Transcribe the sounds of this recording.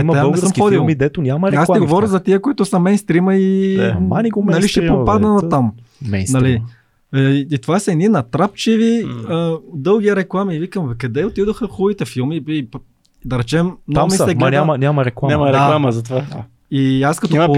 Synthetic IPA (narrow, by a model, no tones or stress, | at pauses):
imɐɛanɛsəmxɔd̪ilˠmid̪ɛt̪onʲamɐɾɛasɛɡovɔɾʲjəzɐt̪iəkoʊit̪ʊsɐmɛjnst̪ɾiməimaniɡonɐliʃɛpopad̪nɐnˠɐt̪amɛnɐli | t̪ovasɐɛninɐt̪ɾapt͡ʃiviəd̪ɤlˠɡ̟iɾɛklˠamivikəmkɐd̪ɛot̪id̪oxəxuvit̪ɛfilˠmiip | d̪ɐɾɛt͡ʃɛmnamit̪ɛɡnʲamɐnʲamɐɾɛklˠamɲaamɐɾdɛkalˠaməzɐt̪ova | iaskɐt̪ɔ